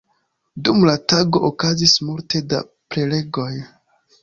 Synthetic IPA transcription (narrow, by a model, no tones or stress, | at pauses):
dumlataɡo̞ʔokazismulte̞da̰ | pɾe̞le̞ɡo̞j